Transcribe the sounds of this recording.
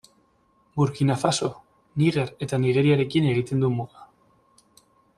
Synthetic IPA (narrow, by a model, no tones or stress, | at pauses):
buɾkinafaso̞ | niɣe̞ɾe̞t̪aniɣ̞e̞ɾiaɾe̞kine̞ɣ̞it̪e̞nd̪umuða